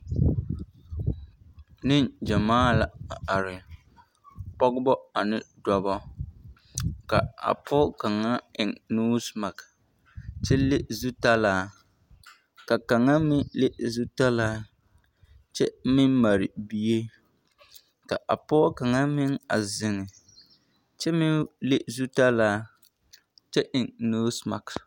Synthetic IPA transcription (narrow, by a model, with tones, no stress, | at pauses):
nɪ˦nd͡ʒa˨maː˦la˨a˨a˨ɾɪ˨ | pɔ˦ɡbɔ˦a˨nɪ˦da˦bɔ˦ | ka˨a̰˨pʰɔ˦ka˨ŋa˦ɪ˨ŋnuː˦sma˨k | t͡ʃɛ˦le˦zu˦ta˦laː˦ | ka˨ka˨ŋa˦mɪ˦le˦zu˦ta˦laː˦ | t͡ʃɛ˦mɪ˦mma˨ɾɪ˨bi˦je˦ | ka˨ʔa˨pɔ˦ka˨ŋa˦mɪ˦ŋa̰˨zɪ˨ŋɪ˨ | t͡ʃɛ˦mɪ˦le˦zu˦ta˦laː˦ | t͡ʃɛ˦ʔɪ˨ŋnoː˦sma̰˨k